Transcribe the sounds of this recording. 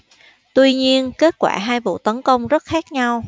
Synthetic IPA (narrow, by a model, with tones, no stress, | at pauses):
t̪wi˧ɲi˧ənke˦˥t̚kwa̰ː˧˩ɦaː˧jvṵ˧˨t̪ə˨˦nkə˧wŋ͡mzə˦˥t̚xaː˦˥k̚ɲa˧w